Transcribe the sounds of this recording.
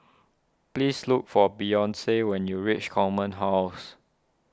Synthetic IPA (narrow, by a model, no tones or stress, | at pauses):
plisluk̚fɔbijɔ̃nsewɛ̃njuɹit͡ʃkʰɔmə̃nɦaʊs